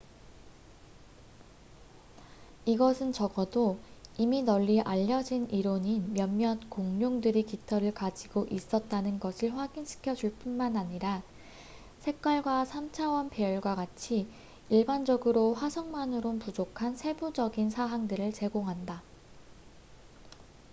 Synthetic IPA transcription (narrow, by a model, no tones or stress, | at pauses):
iɡʌsʰɯnt͡ɕʌɡʌdoiminʌʎːiʔaʎːʌd͡ʑiniɾoɲinmjʌmːjʌnkoŋɲoŋdɯɾikitʰʌɾɯɭkad͡ʑiɡoʔis͈ʌt̚t͈anɯnɡʌsʰɯɭɸwaɡinɕʰi̥kʰjʌd͡ʑuɭp͈unmanaɲiɾa | sʰe̞k̚k͈waɭɡwasʰamt͡ɕʰawʌnpejʌɭɡwaɡat͡ɕʰi | iɭband͡ʑʌɡɯɾoɸwasʰʌŋmanɯɾopud͡ʑokʰansʰe̞bud͡ʑʌɡinsʰaɦaŋdɯɾɯɭt͡ɕe̞ɡoŋɦanda